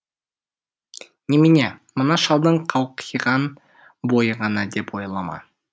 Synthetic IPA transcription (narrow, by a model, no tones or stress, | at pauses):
nemenemənɑʃɑlˠd̪əɴqʰɑwqʰəjʁɑn | bo̞jəʁɑnɑd̪e̞pwojlˠɑmɑ̰